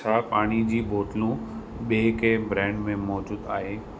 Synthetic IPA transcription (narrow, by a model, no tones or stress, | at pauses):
aːpaːɽ̃id͡ʑiːbʱoːʈlũ | ɓeːkʰebɾɛ̃ːɳɖmẽmɔːd͡ʑuːd̪a̰ːɦeː